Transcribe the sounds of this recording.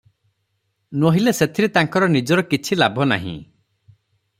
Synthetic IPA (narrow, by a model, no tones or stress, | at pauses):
nwoɦileset̪ʰiɾit̪aŋkɔɾɔnid͡ʒɔɾɔkit͡ʃʰilabʱɔna̰ɦḭ̃